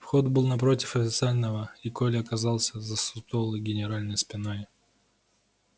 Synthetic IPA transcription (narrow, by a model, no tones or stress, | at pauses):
fxod̪bɨlˠnɐp̬ɾo̞tʲɪfɐfʲɪt̪sɨalʲnəvəikolʲɪɐkɐzɑlˠsʲəzəsʊt̪olˠɨjɡʲɪnʲɪɾalʲnɨjspʲɪnoj